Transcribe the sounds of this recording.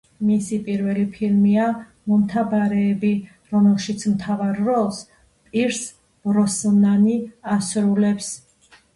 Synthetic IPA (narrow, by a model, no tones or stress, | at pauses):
misipʼiɾvɛlipʰilmia | mɔmt̪ʰabaɾɛːbi | ɾɔmɛlˠʃit̪sʰmt̪ʰavaɾːɔlˠs | pʼiɾs | b̥ɾɔsnaniasɾulɛps